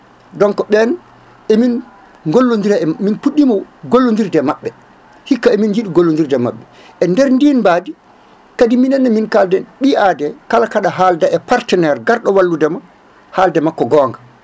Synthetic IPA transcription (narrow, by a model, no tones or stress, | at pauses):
dɔŋkɔɓɛn | ʔemin | ŋɡolːondiɾaɛminpuɗːimɔɡolːondiɾdɛmaɓːɛ | hikːaemind͡ʒiɗiɡolːondiɾdɛma̰ɓːɛ | ʔɛndɛɾndinbaːdi | kadiminɛnːaminkaldɛɓiʔaːdɛkalakaɗaɦaldaʔɛpaɾtɛnɛɾɡaɾɗɔwalːudɛma | haldɛmakːɔɡɔːŋɡa